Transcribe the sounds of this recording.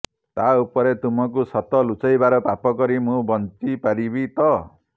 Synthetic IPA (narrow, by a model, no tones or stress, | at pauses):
t̪aupɔɾet̪umɔk̬usɔt̪ɔlut͡sajbaɾɔpapɔkɔɾimũbɔntipaɾibit̪ɔ